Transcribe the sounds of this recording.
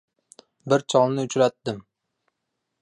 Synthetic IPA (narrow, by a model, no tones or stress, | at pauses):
bɪɾt͡ʃʰɒlˠnɪʊt͡ʃʰɾat̪̚d̪ɪm